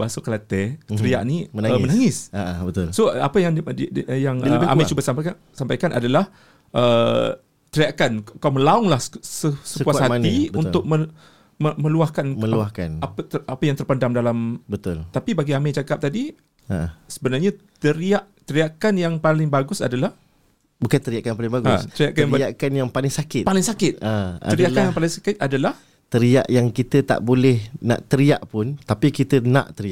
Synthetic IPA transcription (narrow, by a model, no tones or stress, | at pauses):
basokəlat̪ɛəɾia̰ʔniənaəmənaŋɪsabət̪ʊlsoa̰pajaŋʔjaŋəa̰mmat͡ʃubasampak | sampajkanʔa̰dalah | ʔə | t̪əɾiakankkawməlaɔŋlahsəsəspuashat̪ibunt̪ʊk̚mə | məmə̃luahkanməluahkanapt̪əapajaŋt̪ərpandamdalambət̪ʊlt̪apibaɡiamɪt͡ʃakap̚t̪adi | asəbənarɲat̪əɾiaʔ | t̪əɾiakanjaŋpalɪŋbaɡʊsa̰dalah | bukant̪əɾiaʔkaaŋpalɪŋbaɡʊa̰st̪əɾiaʔkajaŋbaʔkanjaŋpalɪŋsakɪt̪palɪŋsakɪt̪̚aa̰ədiaʔkanjaŋpalɪŋsakɪt̪̚adalah | t̪əɾia̰ʔjaŋkit̪ət̪a̰ʔbolɛhna̰ʔt̪əɾiaʔpʊnt̪apikit̪ənã̰ʔt̪əɾiaʔ